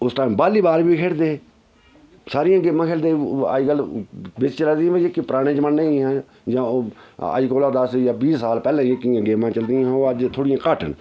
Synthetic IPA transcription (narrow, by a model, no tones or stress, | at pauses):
ʊsʈaːmbaːliːbaːɾbiːkʰeːɽd̪eː | saːɾɪjãːɡeːmãːkʰeːld̪eːa̰ːd͡ʒkəlbɪt͡ʃt͡ʃəlaːd̪ĩːəekːiːpɾaːɽ̃ẽːt͡ʃmənːeĩɦãː | d͡ʒãːə̰d͡ʒkoːlaːd̪əsjaːbiːssaːlpɛːlãːekːɪjãːɡeːmãːt͡ʃəld̪iãːɦoːəd͡ʒt̪ʰoːɽɪjãːkaːʈə̰n